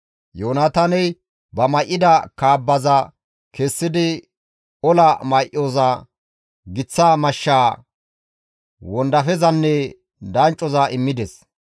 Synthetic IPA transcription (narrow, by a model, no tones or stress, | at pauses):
joːnat̪ɐnɛj | bɐmɐjʔːɪd̪ɐkaːbːɐzɐ | kɛsːɪd̪ɪ | ɔlɐmɐjʔoːzɐ | ɡɪt͡sːaːmɐʃːaː | wɔnd̪ɐfɛzɐnːɛ | d̪ɐnt͡ʃʼːɔzɐɪmːɪd̪ɛs